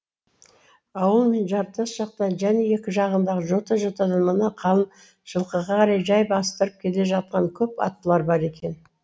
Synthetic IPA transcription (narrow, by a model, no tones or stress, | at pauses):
ɑwəlˠme̞nʒɑɾt̪əsʒɑq̚t̪ɑnʒæne̞je̞kʲɪʒɑʁənd̪ɑʁəʒot̪ɑʒɑt̪ɑd̪ɑnmənɑqʰɑlˠən | ʒ̥əlˠqəʁɑqʰɑɾɑjʒɑjbɑst̪əɾəp̚kʲʰe̞le̞ʒɑt̪̚qɑŋkʲʰɵpɑ̰t̪ːəlˠɑɾbɑɾe̞kʲe̞n